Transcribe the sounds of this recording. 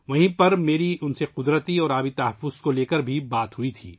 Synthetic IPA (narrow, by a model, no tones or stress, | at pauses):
ʋɐɦĩpɐɾmeːɾiʔʊnseqʊd̪ɾət̪iɔːɾaːbit̪ɐɦɐfːʊz̥koleːkəɾbʱibaːt̪ɦuit̪ʰḭː